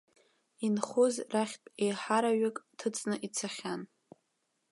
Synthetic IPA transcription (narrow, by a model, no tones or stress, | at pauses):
inχʊzraχʲtʼejħaɾaɥakʼtʰɨt͡sʼnɨʔit͡sʰaχʲan